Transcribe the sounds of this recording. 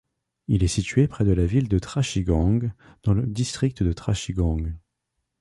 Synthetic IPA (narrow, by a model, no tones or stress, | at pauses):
ilɛsit̪ɥepχɛd̪əlavild̪ət̪χaʃiɡɑ̃ɡ | d̪̥ɑ̃ləd̪ist̪χik̚t̪əd̪ət̪χaʃiɡɑ̃ɡ